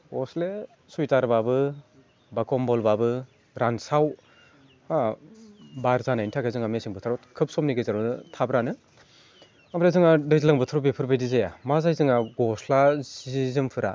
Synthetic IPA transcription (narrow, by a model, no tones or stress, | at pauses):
ɔsle | sujtaɾbabɯ | bakɔmbɔlbabɯ | ɾansaw | a | baɾzanajntʰaɡʰazɯŋamesiŋbɯtʰɯɾɔkʰɯp̚sɔmniɡɯjzaɾɔɯtʰabɾanɯ | abɾazɯŋadɯzlaŋbɯtʰɾɔbepʰɯɾbejdizajamazajzɯŋaɡɔslazizzɯmpʰɯɾa̰